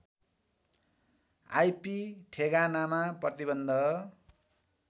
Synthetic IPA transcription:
a̰jpiʈʰeɡanamaprʌt̪ibʌnd̪ʱʌ

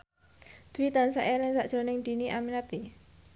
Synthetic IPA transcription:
d̪̥uwit̪ansaʔɛlɪŋsaʔd̥ʒ̥o̤nɪŋd̪̥i̤niʔaminart̪i

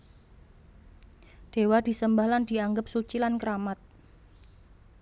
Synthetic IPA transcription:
d̥e̤wad̪̥i̤səmbahland̥i̤aŋɡəp̚sut͡ʃilankəɾamat̪̚

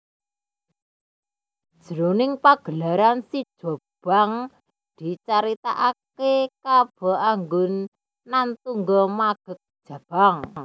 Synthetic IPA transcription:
d̥d̥ʒ̥əɾonɪŋpaɡ̥ə̤laɾansid̥ʒ̥o̤b̥aŋ | d̪̥i̤t͡ʃaɾit̪aʔakekab̥ɔ̤ʔaŋɡʊnː | ant̪uŋɡɔmaɡ̥ə̤k̚d̥ʒ̥a̤b̥aŋ

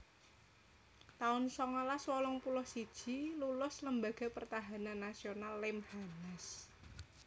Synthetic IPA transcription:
t̪aʊnsɔŋɔlaswɔlɔŋpulɔhsid̥ʒ̥i̤lulʊsləmbaɡ̥a̤pərt̪aɦananːasionalːɪmhanas

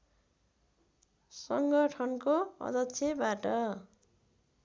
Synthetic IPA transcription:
sʌŋɡʌʈʰʌnkoʌ̰d̪ʌkːsʰjebaʈʌ

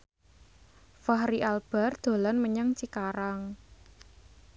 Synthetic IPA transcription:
fahriʔalb̥a̤rd̪̥o̤lanməɲaŋt͡ʃikaɾaŋ

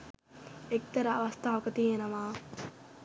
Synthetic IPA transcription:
ek̚t̪ɐɾɐɐʋɐst̪ʰaːʋɐkɐt̪ienɐʋaː

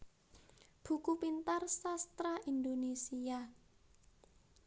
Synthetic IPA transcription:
b̥ṳkupint̪arsast̪ɾaind̪onesia

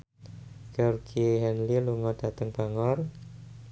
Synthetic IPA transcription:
ɡ̥eɔrɡiɦɛnliluŋɔd̥a̤t̪əŋb̥aŋɔr

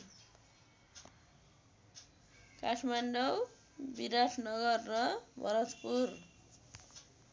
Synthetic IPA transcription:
kasʰmanɖʌw | biɾasʰnʌɡʌrːʌbʱʌ̰ɾʌt̪pur

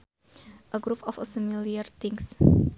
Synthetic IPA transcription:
ʔəɡɾupɔfəfəmiliərt̪ɪŋs

